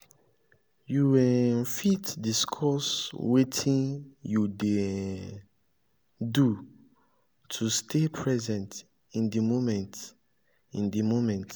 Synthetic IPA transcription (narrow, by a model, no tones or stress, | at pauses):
juwɛnfitdiskʰɔswetʰĩnjude | du | tʰustʰepʰɹɛzɛ̃nt | ĩndimomɛ̃nt | ĩndimomɛ̃nt